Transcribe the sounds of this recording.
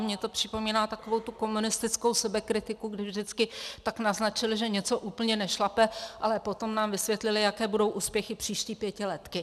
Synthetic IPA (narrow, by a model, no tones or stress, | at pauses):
mɲɛt̪o̞pr̥ɪpo̞miːnaːt̪ako̞vowt̪uko̞munɪst̪ɪt͡sko̞wsɛbɛkɾɪt̪ɪkuɡdɪvʒdɪt͡skɪt̪aknaznat͡ʃɪlʒɛɲɛt͡so̞ʔuːpl̩ɲɛnɛʃlapɛʔalɛpo̞t̪o̞mnaːmvɪsvjɛt̪lɪlɪjakɛːbudo̞wʔuːspjɛxɪpr̝̥iːʃciːpjɛcɪlɛt̪kɪ